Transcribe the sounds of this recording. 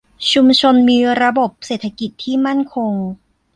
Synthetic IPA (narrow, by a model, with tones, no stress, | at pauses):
t͡ɕʰu˧mt͡ɕʰo˧nmiː˧ɾa˧bo˨˩p̚seː˨˩t̪ʰa˧ki˨˩t̪ʰːiː˥˩ma˥˩nkʰo˧ŋ